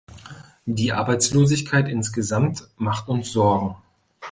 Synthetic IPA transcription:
d̥iːʔa̰ɐbaɪt͡sloːzɪçkʰaɪtʔɪnsɡ̥əzamtmaχtʊnsz̥ɔɐɡŋ̩

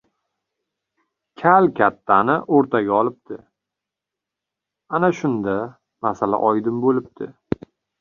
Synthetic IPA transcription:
kʲʰalkʲʰat̪ʰːanɪʔoɾt̪ʰaɡʲaɒlˠɪp̚t̪ʰɪ | anaʃʊnd̪a | masala̰ʔɒjd̪ɪmbolɪp̚t̪ʰɪ̰

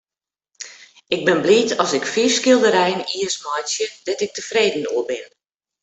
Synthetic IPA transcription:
ɪɡ̚bɪnbliːtʰɔsɪkfiːskɪlˠdəɾɛjəniəsmɔjsjədɛtɪk̚təfreːdən̩uəbɪn

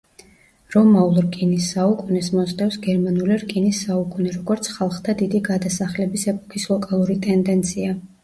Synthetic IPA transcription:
ɾɔmaulˠɾkʼinisːaukʼunɛsmɔsʼt̪ʼɛfsɡɛɾmanuliɾkʼinisːaukʼunɛɾɔɡɔɾt̪sʰχalˠχd̪ʰad̪id̪iɡad̪asaχlɛbisɛpʼɔ̥kʰislˠɔkʼalˠuɾit̪ʼɛnd̪ɛnt̪sʰia

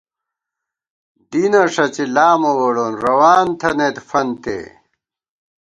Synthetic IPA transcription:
d̪inɐʂɐt͡ɕilaːmɐwɐɽonɾɐwaːnt̪ʰɐnet̪fɐnt̪ḛː

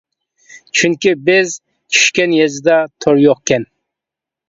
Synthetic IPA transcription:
t͡ʃʰyŋkʲibɪz | t͡ʃʲʰi̥ʃkʲɛnjɛzɪd̪ɛt̪ʰoɾjoqkʲʰɛn

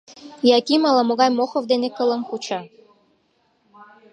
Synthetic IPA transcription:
jɑkimɑlɑmoɣɑjmoxovd̪enekələmxut͡ɕɑ

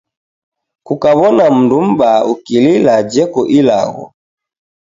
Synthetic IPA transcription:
kukaβɔnam̩ndum̩baukililad͡ʒɛkɔʔila̰ɣɔ̰

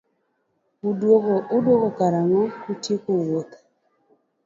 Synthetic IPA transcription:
udwoɡoʔʊdwoɡokaɾaŋɔutjekowot̪

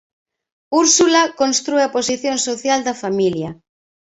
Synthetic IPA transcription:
uɾsulakonst̪ɾueɐposiθjonsoθjald̪ɐfamiljɐ

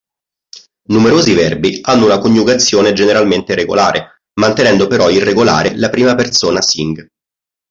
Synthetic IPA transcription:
numeɾoːzivɛrbianːounakoɲːjuɡat̪sːjoːned͡ʒeneɾalment̪eɾeɡo̰laːɾʔe | mant̪enɛnd̪opeɾɔirːeɡola̰ːɾelapɾiːmapert̪soːnasiŋɡ

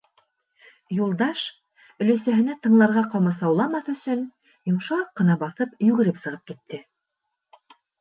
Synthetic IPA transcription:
julˠd̪ɑʃ | ɵ̆læsæɦɘ̆næt̪ɤ̆ɴlˠɑɾʁɑqɑmɑsɑwlˠɑmɑθɵ̆sɵn | jŏmʃɑɑqːɤ̆nɑbɑθɤpjʉɡɘ̆ɾɘpsɤ̆ʁɤp̚kit̪ʰːɘ

